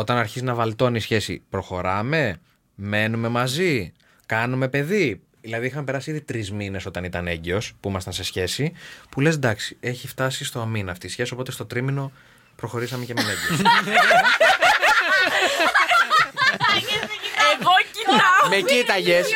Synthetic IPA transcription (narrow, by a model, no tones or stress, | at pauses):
o̞t̪ɐnɐɾçizinɐvɐlt̪o̞nisçe̞sḭpɾo̞xo̞ɾɐme̞ | me̞nume̞mɐzi | kɐnume̞pe̞ði | ðilɐðixɐmepe̞ɾɐsiiðit̪ɾizmine̞so̞t̪ɐnit̪ɐneɲɟeo̞spuimɐst̪ɐnse̞sçe̞sipule̞zd̪ɐksi̥e̞çift̪ɐsist̪o̞ɐminɐːft̪isçe̞sio̞po̞t̪est̪o̞t̪ɾimino̞ | pɾo̞xo̞ɾisɐmecemeneɟeo | eɡocmecit̪ɐʝes